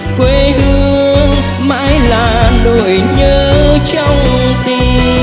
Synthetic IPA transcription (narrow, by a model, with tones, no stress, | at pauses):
kwe˧˦hɨ˧əəŋ | ma̰ː˧˥jlaː˨˩ɗo˨˩jjɲəː˧˦t͡ɕɔ˧wŋ͡mt̪i˧˩